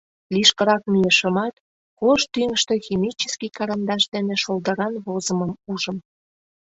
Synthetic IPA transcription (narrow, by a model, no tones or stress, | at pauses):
liʃkə̆ɾɑk̚mijeʃəmɑt̪ | koʃt̪yŋəʃt̪e̽ximit͡ɕeskikɑɾɑnd̪ɑʃd̪eneʃold̪əɾɑnβozəməmuʒə̆m